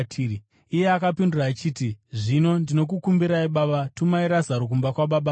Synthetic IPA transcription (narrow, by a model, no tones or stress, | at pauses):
tʰːi | ije̞akapinduraːt͡ʃiːtiʐino̞ndino̞k̬ukumbiɾaiɓaɓatumaiɾazaɾok̬umbakwaɓaɓa